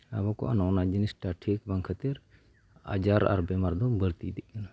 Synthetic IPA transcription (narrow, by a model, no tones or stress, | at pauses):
a̰bɔkɔ̰ʔa̰nɔnad͡ʒənisʈaʈʰek̚baŋkʰət̪iɾ | a̰d͡ʒaɾa̰ɾbɛmaɾd̪ɔbəɽt̪id̪iʔ̚kana